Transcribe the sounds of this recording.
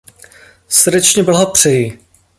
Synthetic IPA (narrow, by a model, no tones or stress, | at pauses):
srdɛt͡ʃɲɛbl̩ɦopr̝̥ɛjɪ